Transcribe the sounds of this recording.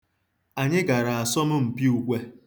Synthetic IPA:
a˨ɲɪ˦ɡa˨ɾa˨a˨sɔ˦m̩˦m̩˨pi˦u˨kʷe˦

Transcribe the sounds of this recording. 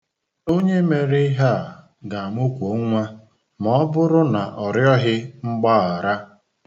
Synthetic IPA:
o˦ɲe˦me˨ɾe˦ɦa˦˨ | ɡa˨mo˦kʷo˨˦ŋʷa˦ | mɔ˨˦ɔ˦bʊ˦ɾʊ˦na˨ʔɔ˨ɾjɔ˦ɦɪ˦ŋ͡m̩˦ɡ͡ba˦a˨ɾa˦

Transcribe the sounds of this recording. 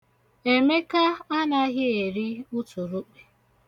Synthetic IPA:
e˨me˦ka˦a˦na˦ɣɪ˦e˨ɾi˦ʊ˦tu˨ɾu˦k͡pe̥˨

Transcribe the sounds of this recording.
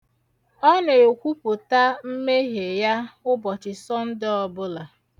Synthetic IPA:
ɔ˦ne˨o˨kʷu˦pʊ˨ta˦m̩˦me˦ɦe˨ja˦ʊ˦bɔ˨t͡ʃɪ˨sɔ˦n̩˦dɪ˦ɔ˨bʊ˦la˨

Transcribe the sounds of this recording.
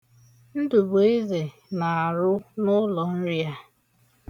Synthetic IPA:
n̩˦du˨bo˨˦i˦ze˨ | na˨a˨ɾʊ˦nʊ˦lɔ˨n̩˦ɾi˦a˦

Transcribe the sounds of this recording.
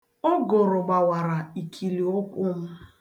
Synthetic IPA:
o˦ɡʊ˨ɾʊ˨ɡ͡ba˨wa˨ɾa˨i˨kʰi˨li˨o˦kʷʊ˦m̩˦

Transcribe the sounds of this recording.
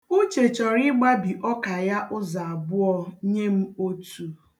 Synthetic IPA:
ʊ˦t͡ʃe˨t͡ʃɔ˨ɾi˦ɡ͡ba˦bi˨ʔɔ˦ka˨ja˦ʔʊ˦za˨a˨bʊ˦ɔ˦ɲe˦m̩˦o˦tʰu˨

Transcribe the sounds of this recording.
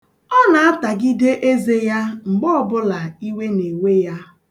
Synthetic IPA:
ɔ˦na˨a˦ta˨ɡi˦de˦ʔe˦ze˦ja˦ŋ͡m̩˨ɡ͡bɔ˦ɔ˨bʊ˦la˨i˦we˦ne˨we˦ja˦

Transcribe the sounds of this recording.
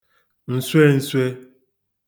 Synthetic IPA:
n̩˨swe˦n̩˨swe˦

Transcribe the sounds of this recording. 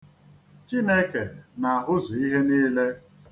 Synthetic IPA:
t͡ʃi˦ne˦ke˨na˨a˨ɦʊ˦zʊ˨i˦ɦe˦niː˦le˦

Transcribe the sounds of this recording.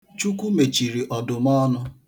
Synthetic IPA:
t͡ʃu˦kʷu˦me˨t͡ʃi˨ɾi˨ʔɔ˨dʊ˨mɔ˦nʊ˦

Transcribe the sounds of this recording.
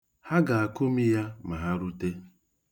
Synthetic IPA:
ha˦ɡa˨a˨ko˦mi˦ja˦ma˨ɦa˦ɾu˦te˦

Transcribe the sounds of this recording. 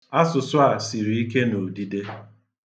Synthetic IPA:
a˦sʊ˨sʊ˦a˨si˨ɾi˨˦i˦ke˦no˨di˦de˦

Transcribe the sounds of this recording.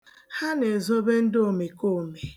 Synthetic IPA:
ha˦ne˨zo˦be˦n̩˦do˨me˨ko˦˨me˨

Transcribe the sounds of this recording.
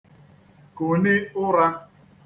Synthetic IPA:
ko˨nɪ˦ʊ˦ɾa˦

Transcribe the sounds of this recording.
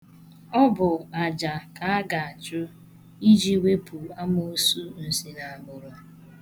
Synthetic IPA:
ɔ˦bʊ˨a˨d͡ʒa˨ka˨a˦ɡa˨a˨t͡ʃʊ˦ | i˦d͡ʒi˦we˦pʰu˨a˦mo˦o˦su˦n̩˨si˦na˨a˨mʊ˨ɾʊ˨

